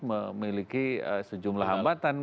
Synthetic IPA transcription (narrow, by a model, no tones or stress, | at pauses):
məmilikiə̰səd͡ʒumlaɦambat̪an